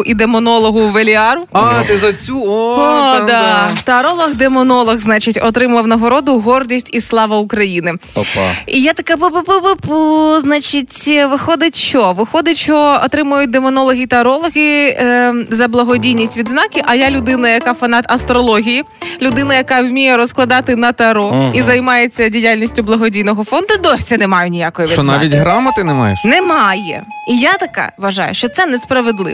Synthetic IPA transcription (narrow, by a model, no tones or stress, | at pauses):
ʊʔid̪emɔnɔlˠɔɦʊʋelʲiɑɾʊat̪ɪzɐt͡sʲuɔd̪at̪ɐɐɾɔlˠɔɣd̪emɔnɔlˠɔɣznɑt͡ʃɪtʲɔt̪ɾɪmɐwnɐɦɔɾɔd̪ʊɦɔrdʲisʲtʲislˠɑʋɐukɾɐjinɪ̰ | ijat̪ɐkapɨpɨpʊpɨpuznat͡ʃɪtʲʋɪxɔd̪ɪtʲʃɔʋɪxɔd̪ɪtʲt͡ʃɔɔt̪ɾɪmʊjʊt̚ʲd̪emɔnɔlˠɔɦʲit̪ɐɐɾɔlˠɔɦʲi | zɐblˠɐɦɔdʲijnʲisʲtʲʋʲid̪znɑkʲɪʔɐjalʲʊd̪ɪnɐjɐkɑfɐnɑt̪ɐst̪ɾɔlˠɔɦʲiji | lʲʊd̪ɪnɐjɐkɑwmʲijɛɾɔsklˠɐd̪ɑt̪ɪnɐt̪ɐɐɾɔizɐjmɑjet͡sʲːɐdʲijalʲnʲisʲtʲʊblˠɐɦɔdʲijnɔɦɔfɔnd̪ʊd̪ɔsʲɛnɛmɑjʊnʲijakɔjiʋʲid̪na̰ʋʲitʲɦɾamɐt̪ɪnɛmɑ̰jɛ̰ʃnɛmɑjɛ̰ | ijat̪ɐkɑ̰ʋɐʒɑ̰jʊ̰ʃt͡ʃɔt̪sɛnɛspɾɐʋed̪lˠɪ̰